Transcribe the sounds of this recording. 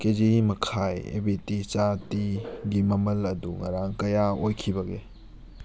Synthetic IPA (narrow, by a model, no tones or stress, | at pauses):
ked͡ʒiimɐkʰajḛbitit͡ʃatiɡimɐmɐlɐduŋɐ̰ɾaŋkɐjaojkʰibɐɡe